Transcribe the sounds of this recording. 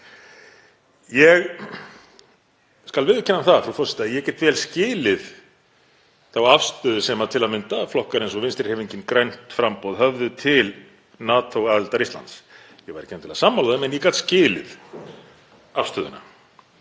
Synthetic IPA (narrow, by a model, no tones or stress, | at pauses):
jɛɣ | skalvɪːðʏcʰɛnːamθafɾafɔsɛ̥t̪ajɛcɛt̪vɛːlscɪːlɪð | θawafst̪œːðʏsɛmat̪ʰɪlaðmʏnt̪aflɔhkaɾejnsɔvɪnst̪ɪɾ̥hɛviɲcɪnkɾejn̥t̪fɾampowðɦœvðʏt̪ʰɪl | naːt̪ʰowaːðɪlt̪aɾist̪la̰nt̪s | jɛɣvajɾɪ̥cʰɛnːnt̪ʰɪlaðsamːalðaðɪmɛnjikat̪scɪːlɪ̰ð | afst̪œðʏ̰na̰